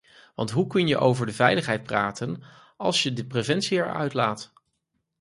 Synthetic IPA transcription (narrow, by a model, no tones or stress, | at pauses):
ʋɑ̰ntɦukɵnjəʔowvəɹdəvɛjləχɦɛjt̚praːtən | ɑ̰lˠsjədəprevɛnsiɛɹœ̰ɥtlaːt